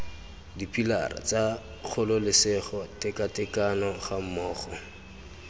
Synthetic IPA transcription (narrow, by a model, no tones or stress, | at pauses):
dipila̰ra̰t͡sa | k͡xʰʊlʊlɪsɪχɔtɪkatɪkanɔχam̩mɔːχɔ